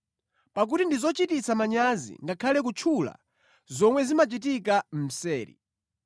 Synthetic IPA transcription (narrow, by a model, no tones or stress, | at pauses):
pak̬utindizɔt͡ʃitit͡samaɲazḭŋɡakʰalɛk̬ut͡ʃʰula̰ | zɔmwɛzimat͡ʃit̬ikam̩m̩sɛːɾḭ